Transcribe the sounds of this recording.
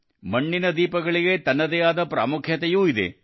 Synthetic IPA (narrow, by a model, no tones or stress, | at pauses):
mɐɳːinɐd̪iːpɐɡɐɭiɡet̪ɐnːɐd̪ɛjaːd̪ɐpɾa̰ːmukʰjɐt̪ɐjuːid̪ḛ